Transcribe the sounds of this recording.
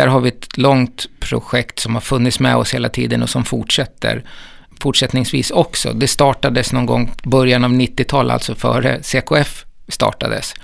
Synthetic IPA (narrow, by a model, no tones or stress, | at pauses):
æːɾɦaɾvɪɛt̪lɔŋt̪pʰɾʊ̰ɧɛkt̪sɔmhaɾfɵnːɪt̪smɛɔsheːlat̪ʰiːd̪ənɔsɔmfʊʈʂɛt̪ːə̰ɾ | fʊʈʂɛt̪nɪŋsvḭːsɔksɔ̰d̪ɛst̪ɑːʈad̪əsnɔŋɡɔŋːbœɾjanavnɪt̪ːɪt̪ʰɑːlʔa̰lt̪sɔfœ̰ːɾə̰seːkʊɛfːt̪ɑ̰ːʈad̪əs